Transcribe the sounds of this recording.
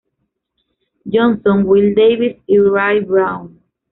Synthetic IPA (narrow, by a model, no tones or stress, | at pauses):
d͡ʒɔ̃nsɔ̃nwild̪ejvisiɹajbɹãw̃n